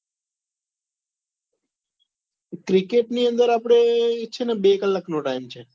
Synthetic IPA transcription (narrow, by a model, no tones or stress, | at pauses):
kɾɪkeːʈniːə̃nd̪əɾaːpɽ̃eɪt͡ʃʰeːnɛbeːkəlːaknõːʈaːɪmt͡ʃʰeː